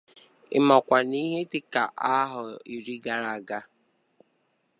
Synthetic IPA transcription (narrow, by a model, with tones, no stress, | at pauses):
ɪ̰˦mɔ˨kʷa˨ni˦ɦe˦tɪ˨ka˨ʔa˦ɦʊ˨i˨ɾi˦ɡa˦ɾa˨ɡa˦